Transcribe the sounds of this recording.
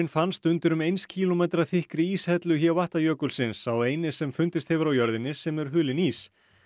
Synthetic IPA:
ɪnfanst̪ʏnt̪ɪɾʏmejnscʰiːlomejt̪ɾaθɪhkɾɪiːshɛt̪lʏçɛvaht̪ajœːkʏlsɪnsaweːjnɪsɛmfʏnt̪ɪst̪hɛvʏɾawjœɾðɪnːɪsɛmɛɾ̥ɦʏːlɪniːs

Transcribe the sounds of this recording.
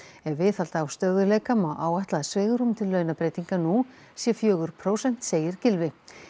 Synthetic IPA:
ɛvvɪθal̥t̪aːwst̪œðʏlejkamaʔaːwaht̪laðsvɛːɣɾumt̪ʰɪlːœːɥnapɾeːjt̪iŋkanu | sjɛfjœːɣʏɾ̥pʰɾoːwsɛn̥t̪seːjɪɾ̥cɪlvɪ

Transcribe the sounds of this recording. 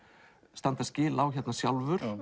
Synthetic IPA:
st̪ant̪ascɪːlawçɛt̪nasjawlvʏɾ̥

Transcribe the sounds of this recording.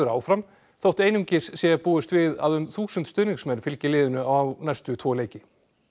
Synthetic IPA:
ʏɾa̰ːwfɾam | θowht̪eːjnʏmcɪssjɛɣapuːʏst̪vɪða̰ðʏmθuːsʏnt̪st̪œðniŋksmɛnɾfɪlcɪlɪːðʏnʏawnajst̪ʏt̪ʰvɔːleːjcɪ

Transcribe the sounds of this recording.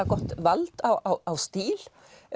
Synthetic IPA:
aɡɔt̪ʋalt̪aawawst̪iːl

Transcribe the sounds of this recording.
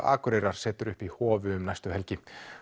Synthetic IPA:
a̰ːkʏɾejɾaɾ̥sɛːt̪ʏɾʏhpihɔːvʏʏmnajst̪ʏɦɛlcɪ

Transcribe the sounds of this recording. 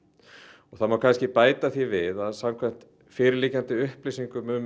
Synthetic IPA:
ɔɣθaðmawkʰajnscɪpaːjt̪aθivɪðaðsamkʰvɛm̥t̪ | fɪːɾɪliːcant̪ɪʏhplijsiŋkʏmʏm

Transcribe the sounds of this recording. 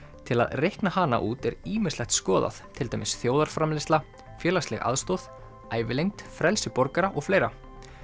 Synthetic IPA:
t̪ʰɪla̰ðrejhknahana̰ʔuːt̪ɛɾiːmɪ̥slɛxt̪skɔːða̰θt̪ʰɪlt̪aːjmɪsθjoːwðaɾ̥fɾamlɪst̪la | fjɛːlaslɛ̰ɣa̰ðst̪owð | aːjvɪlejŋ̚t̪fɾɛlsɪpɔɾkaɾaʔɔɣfleːjɾa̰

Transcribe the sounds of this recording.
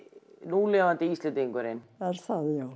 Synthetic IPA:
nuːlɛːvant̪ɪist̪ɛnt̪iŋkʏɾɪnaɾ̥θaðɪjaw

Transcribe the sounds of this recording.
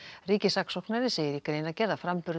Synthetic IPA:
riːcɪsaksɔwknaɾɪseːjɪɾikɾeːjnacɛɾðafɾampʏɾ

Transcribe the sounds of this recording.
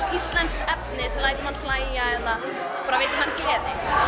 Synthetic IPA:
sist̪lɛnskɛpnɪsɛmlaːjt̪ɪmanflaːjjaɛt̪a | paːɾaveːjt̪ɪmancɛːðɪ

